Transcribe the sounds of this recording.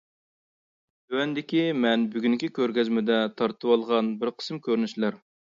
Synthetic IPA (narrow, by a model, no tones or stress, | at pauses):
t̪øwɛnd̪ɪkʲimɛnbyɡʲyŋkʲikʲøɾɡʲɛzmɪd̪ɛt̪ʰɑɾt̪ʰɨwɑlˠʁɑnbɪɾqʰə̥smkʲʰøɾnyʃlæɾ